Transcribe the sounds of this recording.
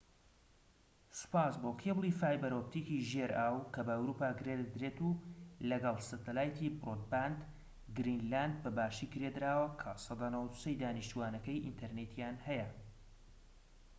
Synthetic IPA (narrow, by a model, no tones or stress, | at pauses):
sɨ̥paːsboːkʰeblˠifaːjbɛɾop̚t̪iːkiʒeɾʔaːwkʰɐbɐwɾupaːɡɨɾed̪ɾeːt̪ulɐɡɐlˠsɨt̪ɐlaːjt̪ʰibrot̪̚band̪ | ɡɾinland̪̚bɐbaːʃiːɡɨɾed̪ɾaːwɐkʰɐsɑd̪aːnɐwɐd̪u̥sɐjd̪aːniʃt̪uwaːnɐkɐjʔint̪ʰɐɾnet̪jaːnhɛjɐ